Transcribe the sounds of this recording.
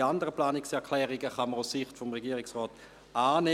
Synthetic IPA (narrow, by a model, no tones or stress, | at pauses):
andəʁəplaːnɪksɛɐkʰlɛːʁiɡəχɑməʁʊssɪχtfɔmʁɛɡiːʁɪksʁɔːt | aːne